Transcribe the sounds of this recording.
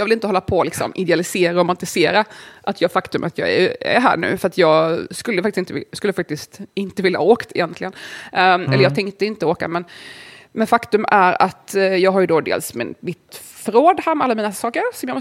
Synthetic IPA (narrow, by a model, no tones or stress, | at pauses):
jɑːvɪlɪnt̪əhɔlːapʰɔlɪksɔ̰mʔɪd̪ɛalɪseːɾaɔmant̪ɪseːɾaʔat̪jɑːfakt̪ɵmʔa̰t̪ʰjɑ̰ːɡæ̰æ̰ɾɦæ̰ːɳʉ̟̰ːfœɾat̪jɑːɡskɵlːəfaktɪsɪnt̪ə̰skɵlːəfak̚t̪ɪst̪ɪnt̪əvɪlːahaoːkt̪ʰɪ̰jɛnt̪lɪɡən | ɛlːəɾjɑːt̪ʰɛŋkt̪əɪnt̪əoːka̰mɛnmɛnfakt̪ɵmæɾat̪jɑːɡɦaɾjɵd̪ɔd̪ḛːlsmɪ̰nmɪt̪ | fɾoːd̪hæːɾmɛalːamiːnasɑːkəɾsɔmjɑːmɔ